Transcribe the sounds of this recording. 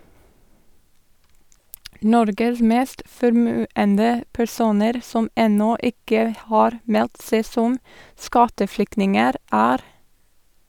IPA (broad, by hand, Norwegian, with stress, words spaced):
ˈnɔɾɡəs ˈmeːst fɔɾˈmʉːəndə pæɾˈsuːnəɾ ˈsɔm ˈɛnɔ ˈɪkə ˈhɑːɾ ˈmɛlt ˈseː ˈsɔm ˈskɑtəˌflʏknɪŋəɾ ˈæːɾ